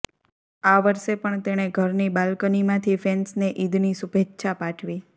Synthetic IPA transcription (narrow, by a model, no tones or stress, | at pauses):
aʋəɾʃepəɳt̪eɽ̃eɡʱəɾnibalkənimãt̪ʰifensneʔid̪ʱnisubʱetːʃʰapaʈʰʋi